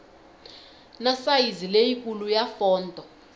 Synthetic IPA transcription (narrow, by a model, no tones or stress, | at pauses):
nasajizilejikʼulujafɔːndʱʼɔ